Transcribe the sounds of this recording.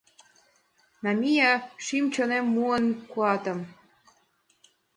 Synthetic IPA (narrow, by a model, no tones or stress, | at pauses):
nɑmʲijɑʃimt͡ɕonemːuənkuɑt̪ə̆m